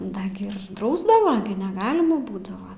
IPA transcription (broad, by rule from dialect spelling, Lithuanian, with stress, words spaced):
ˈdɐ ɡʲɪ ɪr ˈdrɐʊzdɐʋɐ ɡʲɪ nʲɛˈɡɑːlʲɪmɐ ˈbuːdɐʋɐ